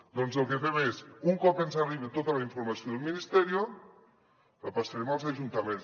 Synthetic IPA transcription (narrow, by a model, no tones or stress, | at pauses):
d̪ɔnzəlˠkefɛmesuŋkɔpensariβet̪ot̪əlaiɱfoɾmasjoðəlˠminist̪ɛɾio | apasaɾɛmalˠzaʒunt̪ɐmẽns